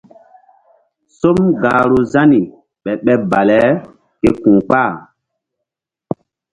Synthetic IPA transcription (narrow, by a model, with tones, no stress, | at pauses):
so˦mɡaː˨ɾo˨za˦ni˨ | ɓɛ˨ɓɛ˦ba˨lɛ˦ | ke˦kũ˨k͡pa˦˨